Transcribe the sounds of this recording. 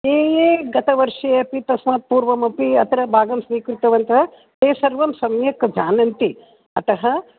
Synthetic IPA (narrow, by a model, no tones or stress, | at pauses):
eːjeːɡɐt̪ɐʋɐɾʂɐɐpit̪ɐsmaːt̪̚puːɾʋɐmɐpiɐt̪ɐɾɐbʱaːɡɐmsʋiːkɾut̪ɐʋɐnt̪ɐɦɐ | t̪eːsɐɾʋɐmsɐmjɐkd͡ʒaːnɐnt̪i | ɐt̪ɐɦɐ